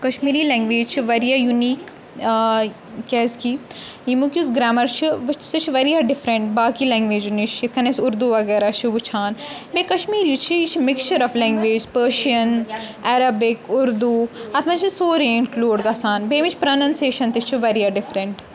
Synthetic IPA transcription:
kɐʃmiːɾilɛ̃ːŋɡʋeːd͡ʒt͡ʃʰiʋɐɾijajuniːk | kːɛːski | imukʲjusɡɾaːmɐɾt͡ʃʰiʋɐt͡ʃsɐt͡ʃʰiʋɐɾiaɖɪfɾɐɳʈ̚baːkilɛ̃ːŋɡʋeːd͡ʒuniʃt͡ʃit̪̚ʰkʰɐnɐsʊɾd̪uʋɐɡɛːɾat͡ʃʰiʋut͡ʃʰaːnbeːkɐʃmiːɾjut͡ʃʰiit͡ʃʰimɪkt͡ʃɐɾɔflɛ̃ːŋɡʋeːd͡ʒzpəːʃiɐnɛɾɐbɪkʊɾd̪uːɐt̪ʰmɐt͡ʃʰisoːɾeɪnkluːɖɡasaːnbeːmit͡ʃʰpɾɐnɐnseːʃɐnt̪it͡ʃʰiʋɐɾijaɖɪfɾɐɳʈ

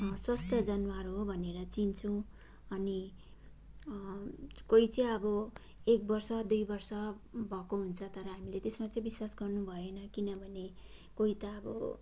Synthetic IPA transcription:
swast̪ʰjʌd͡zʌnwaɾɦobʱʌneɾʌt͡sint͡sʰũ | ʌni | koit͡sʌĩʌbʌ | ek̚bʌrsʌd̪ujbʌrsʌ | bʱʌkoɦunt͡sʰʌt̪ʌɾʌɦamilet̪esmat͡sʌĩbiswasɡʌrnubʱʌenʌkinʌbʱʌne | koɦit̪ʌːbʌ̰

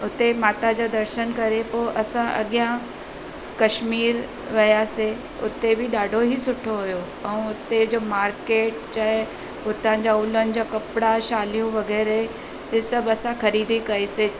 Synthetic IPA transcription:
ʊt̪emaːt̪ad͡ʑaːd̪ɐɾʃənkɐɾepoːʔɐsãʔɐɠjã | kɐʃmiːɾ | ʋɐjase | ʊ̰t̪ebɪɗaːɖʱoɦisʊʈʰoɦʊjo | ɛ̃ːʊt̪ed͡ʑoːmaːɾkeːʈt͡ɕaɦɪ | ʊt̪ãd͡ʑaʊlənɪ̆d͡ʑaːkɐpɪɽaʃaːlijũʋɐɣɛːɾe | tesɐbɐsãxɐɾiːd̪ʱikɐese

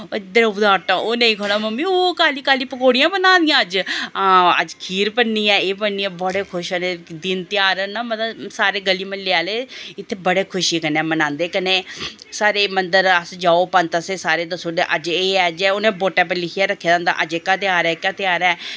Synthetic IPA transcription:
d̪eɾʊd̪aːɾt̪ãːoːnəĩːkʰoːñaːməmːĩːoːkaːliːkaːliːpəkoːɽijãːbənãːnd̪ijãːəd͡ʒãːə̰d͡ʒkʰiːɾpənːiːɛːeːpənːiːɛ̃ːbəɽeːkʰʊʃəneːd̪ɪnt̪ɪjaːɾənaːmət̪lsaːɾeːɡəliːmənlɪaːleːɪt̪ʰːeːbəɽeːkʰʊʃiːkənɛːmənãːnd̪eːkəneː | saːɾeːmənd̪əɾəsd͡ʒaːoːpənt̪əseːsaːɾeːd̪əsoːɖeʔəd͡ʒeːɛːd͡ʒonẽːboːʈɛ̃ːp̬ɛ̃lɪkʰiɛːɾəkʰːed̪ãːnd̪a̰ːʔəd͡ʒeːkːaːt̪ɪaːɾɛːɪkːaːt̪ɪjaːɾɛː

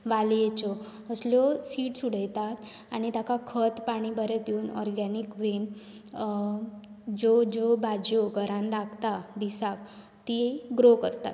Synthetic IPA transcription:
ʋaljet͡sɔ | əslɔsiːʈsuɽ̤əjt̪at̪ | a̰ñit̪akakʰət̪paɽ̃ibəɾɛt̪juːnɔ̰ɾɡanikʋen | d͡ʑɔd͡ʑobad͡ʑoɡʱəɾãnlaɡt̪ad̪isak̚ | t̪iɡɾokəɾt̪a̰t̪

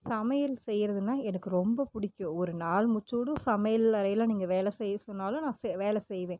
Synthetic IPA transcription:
sɐmɐjɪlsɛjːɾɐðɯnːaːɛnɐkːɯɾɔmbɐpʊɽɪkːʊ̃ɔɾɯnaːlmʊt͡ʃːoːɽũsɐmɐjɐlɐɾɐjɪlãniːŋɡɐʋeːlɛsɛjɐsɔnːaːlõnãːsɛʋeːlɛsɛjʋẽː

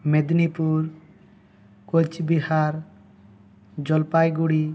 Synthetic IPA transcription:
med̪nipuɾ | kot͡ʃbiɦaɾ | d͡ʒɔlpajɡuɽi

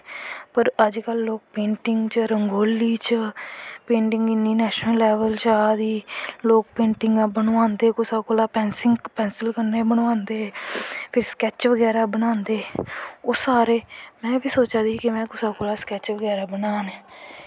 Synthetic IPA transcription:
pəɾəd͡ʒkəlːoːk̚pẽːɳʈɪŋɡt͡ʃəɾəŋɡoːliːt͡ʃəpẽːɳʈɪŋɡɪnːiːnɛːʃnəlːɛːʋəlt͡ʃaːd̪iːloːk̚pẽːɳʈɪŋɡãːbənːãːnd̪eːkʊsaːkoːlaːpɛ̃ːnsɪŋpɛ̃ːnsəlkəɾneːbəɳʋãːnd̪eːpʰɪɾskɛːt͡ʃʋəɡɛːɾaːbənãːnd̪eːoːsaːɾeːmɛ̃ːbiːsoːt͡ʃaːd̪iːkɪmɛ̃ːkʊsaːkoːlaːskɛːt͡ʃʋəɡɛːɾaːbənaːneː

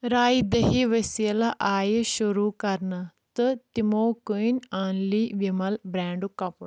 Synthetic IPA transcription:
ɾaːid̪əɦiːʋəsiəlaʔaːjʃʊɾuːkɐɾnat̪ɨt̪ɪmoːkuinaːnliːʋɪmɐlbɾɛ̃ːɳɖukɐpl

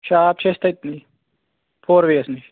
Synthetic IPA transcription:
t͡ʃʰaːp̚t͡ʃʰest̪ɐt̪ni | pʰoːɾʋeːɐsni

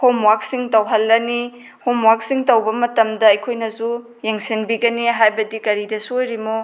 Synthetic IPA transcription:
homwak̚siŋtɐwɦɐlːɐni | homwak̚siŋtɐwbɐmɐtɐmdɐɐjkʰojnɐsu | jeŋsinbiɡɐniɦajbɐdikɐɾidɐsuojɾimo

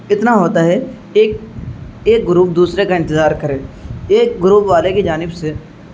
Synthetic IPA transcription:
ɪt̪naɦoːt̪aɦɛ | eːk̚ | eːk̚ɡʊɾuːp̚d̪uːsɾekaɪ̃nt̪ɪzaːɾkəɾẽːeːk̚ɡʊɾuːpʋaːlekid͡ʒaːnɪbse

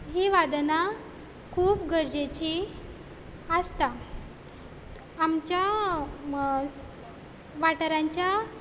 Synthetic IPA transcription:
ɦiʋad̪na | kʰuːpɡəɾd͡ʑet͡ɕi | əst̪a | mt͡ɕja | ʋaʈəɾaɲt͡ɕja

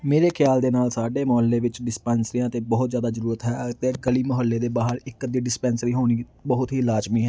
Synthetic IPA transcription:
meːɾeːkʰɪjaːld̪eːnaːlsaːɖeːməɦəlːeːʋɪt͡ʃɖɪspɛːnsɾijãːt̪eːbɔɦt̪zjaːd̪aːzəɾuːɾət̪ɦɛːt̪eːɡəliːməɦəlːeːd̪eːbaːɦəɾɪkd̪iːɖɪspɛːnsɾiːɦoːñiː | bəɦʊt̪ɦiːlaːd͡ʒmiːɦɛː

